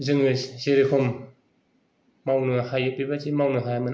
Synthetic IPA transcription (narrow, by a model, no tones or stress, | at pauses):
zɯŋɯsseɾikʰɔm | awnɯhajɯpibazimawnɯɦajamɯn